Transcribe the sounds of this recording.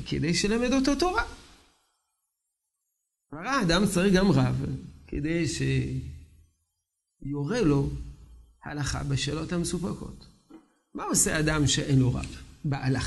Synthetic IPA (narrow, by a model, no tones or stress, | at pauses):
ked̪ejʃelamed̪o̞to̞t̪o̞ʁa | vaʁaad̪amt͡saʁiɡamʁavkʰḛd̪e̞jʃe | joʁelo̞ | ha̰laχa̰beʃelo̞thamesupako̞̰t | mao̞sead̪amʃeʔenloʁa̰vbeʔalaχ